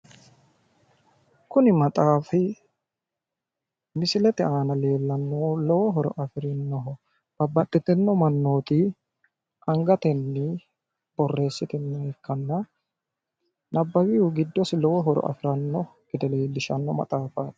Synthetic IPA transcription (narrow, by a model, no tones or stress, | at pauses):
kʊnɪmɐt̪ʼaːfɪ | mɪsɪlɛt̪ɛaːnɐle̞ːlːɐnːoːlɔwɔɦɔɾɔ̰ʔɐfɪɾɪnːɔɦɔ | b̥ɐbːɐt̪ʼːɪt̪ːɛnːɔmɐnːo̞ːt̪i | ʔɐŋɡɐt̪ɛnːɪ | b̥ɔrːe̞ːsːɪt̪ɪnːɐɛkːɐnːɐ | nʔɐbːɐwɪʊɡɪd̪ːɔsɪlɔwɔɦɔɾɔ̰ʔɐ̰fɪɾɐnːɔɡ̥ɪd̪ɐle̞ːlːɪʃɐnːɔmɐ̰t̪ʼaːfaːt̪